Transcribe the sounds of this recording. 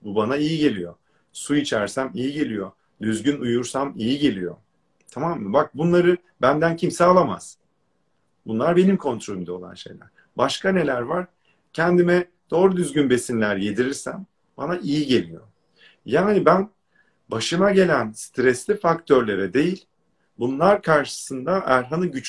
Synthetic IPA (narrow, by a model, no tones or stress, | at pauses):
bubanaijiɟe̞lʲijo̞̰ | suit͡ʃʰæɾsæmijiɟe̞lʲijo̞ | d̪yzɟynujuɾsamijiɟe̞lʲijo̞̰ | t̪ʰamamːɯbak̚bunlˠaɾɯ | bænd̪æncʰimsɛalˠama̰z̥ | bunlˠaɾbe̞nimkʰo̞nt̪ɾolʲymd̪ao̞lˠa̰nʃe̞̰jlʲæ̰ɾ̥ | baʃkane̞lʲæɾvaɾ̥ | cʰɛnd̪imɛ | d̪̥o̞ːɾud̪yzɟynbe̞sinlʲæɾje̞d̪iɾiɾsæm | banaʔijiɟe̞lʲijo̞̰ | jaːnibæn | baʃɯmaɟe̞lʲænst̪ɾɛslʲifakt̪ʰø̞ɾlʲe̞ɾɛd̪e̞jilʲ | bunlˠaɾkʰaɾʃɯ̥sɯnd̪aʔæɾɦanɯɟyt͡ʃ